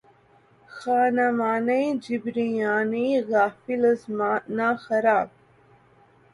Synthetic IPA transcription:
xaːnamaːnɐjd͡ʑibɾijaːniːɣaːfilɐzmaːnaːxɐɾaːb̚

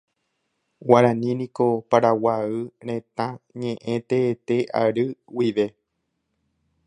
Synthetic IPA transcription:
waɾãnĩnĩko̞paɾawaɨɾ̃ẽ̞t̪ãɲẽʔẽ̞t̪eːt̪e̞ʔa̰ɾɨwiʋe̞

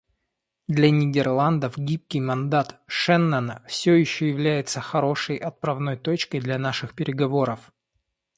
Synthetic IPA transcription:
d̪lʲɐnʲɪdʲɪrlˠand̪əfɡʲip̚kʲɪjmɐnd̪at̪ʂɛnːanəfsʲɵjɪɕːɵjɪvlʲæjɪt̪səxɐɾo̞ʂəjʔɐt̪̚pɾɐvno̞jt̪o̞t͡ɕkəjd̪lʲɐnaʂɨxpʲɪɾʲɪɡɐvo̞ɾəf

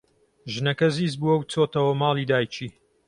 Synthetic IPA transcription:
ʒɨnɐkɐziːzbuːɐwt͡sʰoːt̪ɐwɐmɑːliːd̪aːjt͡ʃʰiː

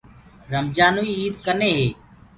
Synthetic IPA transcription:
ɾəmd͡ʒaːnoːiːiːd̪kəneːɦeː

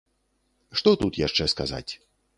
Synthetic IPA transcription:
ʂt̪ɔt̪ut̪jaʂt͡ʂɛskaza̰t͡sʲ

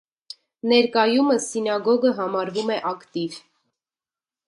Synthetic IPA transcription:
nɛɾkɑjuməsinɑɡɔɡəɦɑmɑɾvumɛʔɑkt̪iv

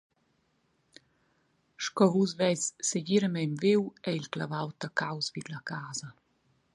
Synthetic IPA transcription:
ʃkɔvusvɛjsːeɟiɾəmɛmviwɛilklavawt̪akawsvid̪lakaːzɐ

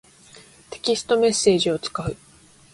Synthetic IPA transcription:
t̪e̞̥kʲisɨ̥t̪o̞me̞sːe̞ːʑio̞t͡sɨ̥kaɯ̟

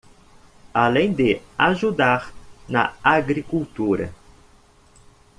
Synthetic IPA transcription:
alẽj̃d̪ɪaʒud̪aɾnɐ̰aɡɾikult̪uɾɐ̰

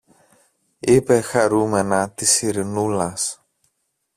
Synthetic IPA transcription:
ipe̞xɐɾume̞nɐt̪isiɾinulɐs

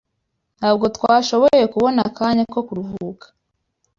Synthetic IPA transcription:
nhaːb̚ɡo̞twaːʃo̞βoje̞kuβo̞nakaːɲako̞kuɾuɦuːkḁ

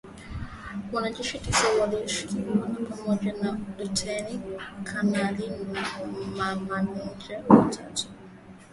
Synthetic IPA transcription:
wanad͡ʒɛʃitisawaliʃi̥kiwanipamɔʄanadutʰɛnikʰanali | mamaniɲd͡ʒɛwatʰatu̥

